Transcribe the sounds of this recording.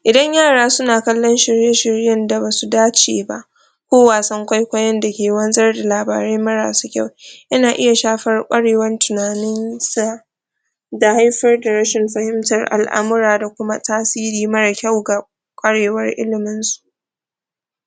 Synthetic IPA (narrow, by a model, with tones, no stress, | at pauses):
ʔɪ˨dɐ˦ɲjaː˦˨ɽaː˦sʊ˦naː˨kɐ˦lːɔ˦nʃɪ˨ɾjɛ˦ʃɪ˨ɾjɐ˦˨nda˨baː˨su˨daː˦t͡ʃeː˨ba̰˦ʔ | kʷoː˦waː˨sɐ˦ŋkʷa˦jkʷɐ˦jɐ˦nda˨kʲeː˨wɐ˦nzɐ˦rda˨laː˨ba̰ː˨ɾeː˦mɐ˦ɽa̰ː˨su˦kʲa˦wʔɪ˦naː˨ʔɪ˦ja˨ʃaː˦ɸɐ˦rkʷʼɐ˦ɽeː˨wɐ˦ntʊ˨naː˨nɪ˦nsa˦˨ | da˨ha˦jɸɐ˦rda˨ɾɐ˦ʃɪ˨mɸɐ˦hɪ˦mtɐ˨rʔa̰˨lʔa̰˦mʊ˦ɾaː˨da˨kʷʊ˦ma˦taː˦siː˦ɾiː˨˦mɐ˦ɽa˨kʲɐ˦˨wɡa˨ | kʷʼɐ˦ɽeː˨wɐ˦rʔɪ̰˦lɪ˨mɪ˦nsu̥˦ʔ